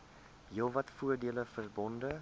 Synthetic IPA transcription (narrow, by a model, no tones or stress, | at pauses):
ɦilˠvɐtfuərdiələfərbɔndə